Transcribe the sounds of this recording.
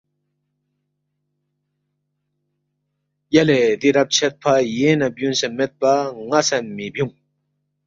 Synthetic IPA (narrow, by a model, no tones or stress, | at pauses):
jaleːd̪iɾap̚t͡ɕʰet̪̚pʰajenap̚junsemet̪̚paŋasamːib̚juŋ